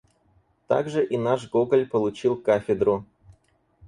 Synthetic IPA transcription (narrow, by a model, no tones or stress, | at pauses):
t̪a̰ɡʐɨʔinaʂɡoɡlʲpəlˠut͡ɕilˠkafʲɪd̪rʊ